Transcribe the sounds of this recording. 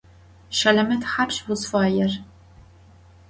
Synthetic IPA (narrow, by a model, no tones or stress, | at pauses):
ʃɐlɐmɐtħapɕwʊzfɑːjɛr